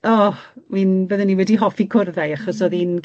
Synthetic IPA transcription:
ɔwinbəðənːiwɛdiɦɔfikʰʊrðajaχɔsɔðin

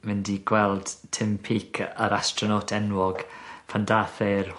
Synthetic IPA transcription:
mɪndiɡ̥wɛlˠd̥tʰɪmpʰikʰəɾastrɔnotʰɛnwɔɡ̥fʰandaθer

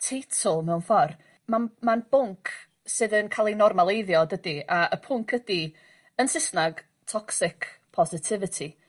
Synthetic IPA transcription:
tʰejtʰʊlˠmɛwnfɔr | manmanb̥ʊŋkʰ | sɨðənkʰalˠinɔrmalˠejðjɔdədiaʔəpʰʊŋkʰədi | ənsɪsnaɡ̥ | tʰɔksɪkʰpʰɔzɪtʰɪvɨtʰi

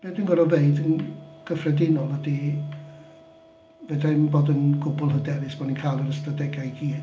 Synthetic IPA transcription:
m̥ɛdinvəɾɔbeɨdənɡ̥əfrɛdɪnɔlˠədi | vɛdanboːdənɡʊbʊlˠɦədɛɾɨsb̥ɔninkʰajlˠəɾəstadɛɡajɡiː

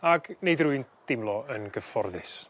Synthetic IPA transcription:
aɡ̥nejdruɨnd̥ɪmlˠɔənɡəfɔrðɪs

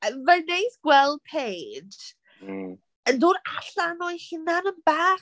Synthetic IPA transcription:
əvɛnejθɡ̥wɛlˠd̚pʰeːd̥ | əndʊːɾaɬanɔɨhɪnanənb̥aː

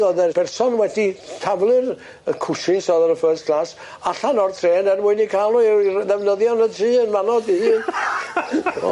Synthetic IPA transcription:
ɔðɛrb̥ɛrsɔnwɛditʰavlˠɨr | əkʰʊʃɪnsɔðəɾəfəːskʰlas | aɬanɔrtʰreːnɛrmʊɨnikʰalˠʊðɛvnəðjɔnətʰriːənmanɔdihɨːn

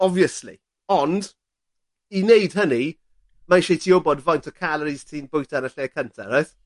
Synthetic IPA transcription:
ɔviəslḭ | ɔnd | inejd̥ɦəni | maɪʃejtʰiobɔdvajntʰɔkʰalˠəɾiz̥tʰiːnbʊjtʰanəɬeəkʰəntʰa̰ɾajθ

